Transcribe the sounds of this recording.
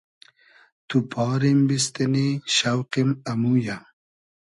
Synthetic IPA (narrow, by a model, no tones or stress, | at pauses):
t̪upʰɑːɾimbist̪eniɕawqimɐmuja